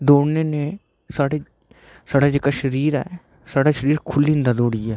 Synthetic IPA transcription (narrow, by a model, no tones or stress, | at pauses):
d̪oːɽneːnẽː | saːɽeː | saːɽaːd͡ʒeːkaːʃəɾiːɾɛ̰ː | saːɽaːʃəɾiːɾkʰʊlːĩːnd̪aːd̪oːɽɪjaː